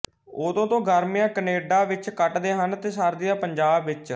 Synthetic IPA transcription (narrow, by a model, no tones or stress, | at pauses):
oːd̪õːt̪õːɡəɾmɪjãːkəneːɖaːʋɪt͡ʃkəʈd̪eːɦənt̪eːsaːɾd̪ijaːpəɲd͡ʒaːbʋɪt͡ʃ